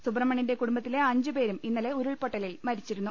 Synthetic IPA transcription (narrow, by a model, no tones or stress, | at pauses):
subrmːɐɳinde̞kuɽumbɐt̪ːile̞ɐɲd͡ʑɨpe̞ːɾuminːɐle̞uɾuɭpo̞ʈːɐlilmɐɾit͡ɕːiɾunːu